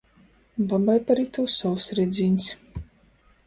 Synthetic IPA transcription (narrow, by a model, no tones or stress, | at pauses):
babajpaɾiːt̪uwsɔwsɾɛd̪zʲiːnʲs